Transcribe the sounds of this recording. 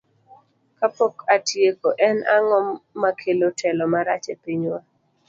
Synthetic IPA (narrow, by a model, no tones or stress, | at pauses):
kapokatjekoʔɛnaŋɔmːakʰelotʰɛlɔmaɾat͡ʃepiɲwa